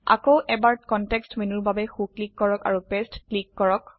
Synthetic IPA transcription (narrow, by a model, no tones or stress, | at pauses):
a̰kowʔɛbaɹkɔntɛkstmenuɹbabɛxuklikːɔɹɔka̰ɹupestklikːɔɹɔk